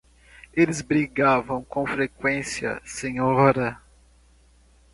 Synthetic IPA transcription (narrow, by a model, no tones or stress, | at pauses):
elɪzbɾiɡavɐ̃w̃kõfɾekwẽsiɐ̰sẽɲɔɾɐ